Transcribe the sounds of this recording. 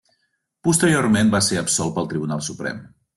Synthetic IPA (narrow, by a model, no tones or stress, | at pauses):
pust̪əɾiormenbaseɾəpsɔl̚ˠpəlˠt̪ɾiβunalˠsupɾɛ̰m